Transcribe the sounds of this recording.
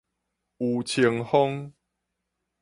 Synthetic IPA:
u˨t͡ɕʰi˧əŋhɔ˦ŋ

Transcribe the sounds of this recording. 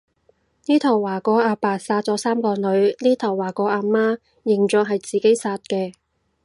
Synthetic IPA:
niː˥t̪ʰɐ˨˩wːaː˨˩kɔː˨˥ʔaː˧paː˨˩t̚saː˧t̚t͡sɔː˨˥saː˥mkɔː˧nɵ˨˧ɥniː˥t̪ʰɐ˨˩wːaː˨˩kɔː˨˥ʔaː˧maː˥ | jɪ˨˩ŋt͡ʃœː˨˧ŋɦɐ˨jt͡siː˨ke˨˥jsaː˧t̚kɛː˧

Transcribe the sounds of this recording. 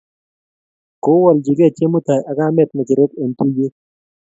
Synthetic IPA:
ko˦wɔ˨ld͡ʒi˨ɡɛ˦˨t͡ʃe˦mu˦t̪a˨jʔa˨ɡa˦mɛ˦˨t̪̚nɛ˨t͡ʃɪ˨ɾe˦ke˨nt̪u˦je˦

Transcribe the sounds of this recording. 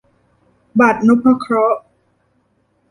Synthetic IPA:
ba˨˩t̪̚nu˦˥pʰa˧˥kʰɾɔ˦˥ʔ

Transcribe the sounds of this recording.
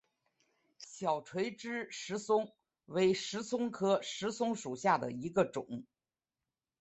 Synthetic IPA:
ɕjɑ˨˩ʊʈ͡ʂʰwe˧˥ɪʈ͡ʂɻ̩˥ʂɻ̩˧˥sʊ˥ŋ | we˧˥ɪʂɻ̩˧˥sʊ˥ŋkʰɤ˥ʂɻ̩˧˥sʊ˥ŋʂu˨˩ɕja˥˩d̪ə̰˩i˧˥ɡə˧ʈ͡ʂʊ̰˨˩˦ŋ

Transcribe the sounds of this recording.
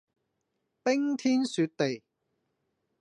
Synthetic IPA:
pɪ˥ŋt̪ʰiː˥nsyː˧t̚t̪e˨j

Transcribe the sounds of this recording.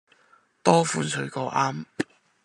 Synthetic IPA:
t̪ɔː˥fuː˨˧nsɵ˨˧ɥkɔː˧ʔaː˥m

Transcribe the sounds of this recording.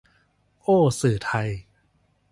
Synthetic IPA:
ʔoː˧˥˩sɯː˨˩t̪ʰa˧j

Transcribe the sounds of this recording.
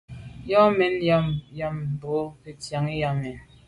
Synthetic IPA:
jɔ˦mɛ˨˦nja˦mja˦m˨bo˦ke˨tja˨ŋi˦ja˦mɛ˨n

